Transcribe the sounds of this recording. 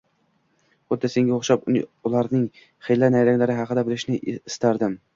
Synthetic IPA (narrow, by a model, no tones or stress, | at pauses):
χʊd̪ːase̞ŋɡʲaoχʃapʊlˠaɾnɪŋ | χejlːanajɾaŋlaɾɪɦɑqʰɨd̪abɪlɪʃnɪɪst̪aɾd̪ɪm